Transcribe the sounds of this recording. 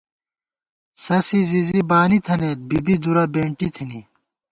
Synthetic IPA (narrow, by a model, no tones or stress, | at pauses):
sɐsizizibaːnit̪ʰɐneːt̪̚bibid̪uɾɐbeːɳʈit̪ʰini